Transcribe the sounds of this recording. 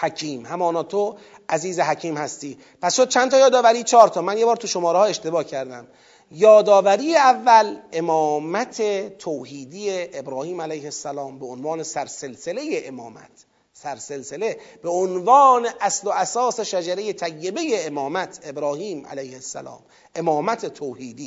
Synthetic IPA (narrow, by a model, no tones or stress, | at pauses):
hæcʰiːmhæmɒːnɒːt̪ʰo | æziːzeɦæcʰiːmhæst̪iː | pʰæsʃod̪̚t͡ʃʰænt̪ɒːjɒːd̪ɒːvæɾiːt͡ʃʰɒːɾt̪ʰɒːmænjebɒːɾt̪ʰuʃomɒːɾehɒːe̞ʃt̪e̞bɒːcʰæɾd̪æm | jɒːd̪ɒːvæɾiːjeævːælemɒːmæt̪ʰet̪ʰoːhiːd̪ijeʔːbɾɒːhiːmælæjhesːælɒːmbeonvɒːne̞sæɾse̞lsele̞jeʔemɒːmæ̰t̪ʰ | sæɾse̞lse̞le̞b̥eonvɒːneʔæsloæsɒːse̞ʃæd͡ʒæɾe̞jet̪ʰæjːe̞be̞jeːmɒːmæt̪ʰe̞bɾɒːhiːmʔæ̰læjhesːæ̰lɒ̰ːm | ʔe̞mɒːmæt̪ʰet̪ʰoːhiːd̪iː